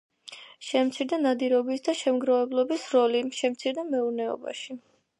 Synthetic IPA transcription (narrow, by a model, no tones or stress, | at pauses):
ʃɛmt̪sʰiɾd̪anad̪iɾɔbisd̪aʃɛmɡɾɔvɛblˠɔbisɾɔliʃɛmt̪sʰiɾd̪amɛuɾnɛɔ̰ba̰ʃi